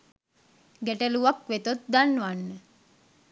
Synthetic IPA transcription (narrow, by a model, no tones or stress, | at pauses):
ɡeʈəluʋakʋet̪ot̪̚d̪anːʋanːə